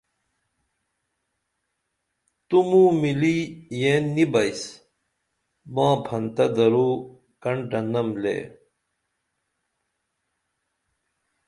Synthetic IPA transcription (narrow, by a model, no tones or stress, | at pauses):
t̪umũːmilijeːnːibɐjs | mãːpʰɐnt̪ɐd̪ɐɾuː | kɐɳɖɐnɐmlḛː